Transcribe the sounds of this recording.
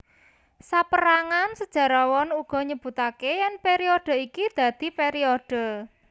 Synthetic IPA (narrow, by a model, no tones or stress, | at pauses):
sapəɾaŋansəd̥ʒ̥a̤ɾawɔnuɡ̥ɔ̤ɲəb̥ṳt̪akejɛnpeɾiod̪̥ə̤ikid̪̥ä̤d̪̥i̤peɾiod̪̥ə̤